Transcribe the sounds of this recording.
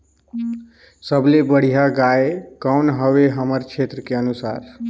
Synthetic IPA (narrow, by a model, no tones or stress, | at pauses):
səblebəɽ̤ijaɡaekəʊnɦəʋeɦəməɾt͡ʃʰet̪ɾəkeənusa̰ɾ